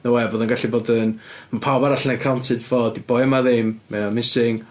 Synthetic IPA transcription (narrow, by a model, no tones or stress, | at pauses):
nəwɛboːðənɡaɬiboːdənmapʰawbaɾaɬnɛkʰawntʰɨdvoːdib̥ɔjmaðɪmmɛamɪsɪŋ